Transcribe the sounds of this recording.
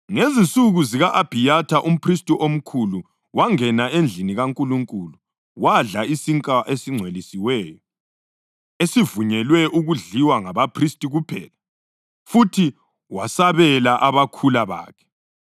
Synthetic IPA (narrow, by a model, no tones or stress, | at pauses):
ŋezinsʼuɣuziɣaʔab̥ʱijatʰaʔum̩pʰristʼuʔom̩kʰulu | waŋɛnaend͡ɮʱiniɣaŋkʼuluŋkʼulu | waɮaisiŋkʼaʔesiŋ͡ǀʱwelisiwɛːjɔ | esivuɲɛlwɛʔuɣuɮiwaŋaβapʰristʼiɣupʰɛ̰ːla | futʰi | wasaβɛlaʔaβakʰulaβa̰ːkʰɛ̥